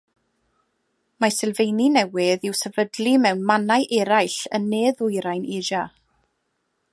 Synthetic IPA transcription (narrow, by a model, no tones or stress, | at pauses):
masɛlˠvejninɛwɪðɪwsɛvədlimɛwnmanajʔɛɾajɬənːeːðʊjɾajneːd͡ʒa